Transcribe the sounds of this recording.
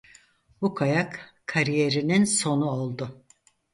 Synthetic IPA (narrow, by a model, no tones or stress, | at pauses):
bukʰajakkʰːaɾije̞ɾininso̞nuolˠd̪ʊ